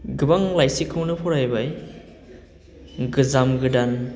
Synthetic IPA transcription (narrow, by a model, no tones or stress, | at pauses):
ɡɯbaŋlajsikʰːɯwnɯpʰɔɾajbaj | ɡɯzamɡɯdan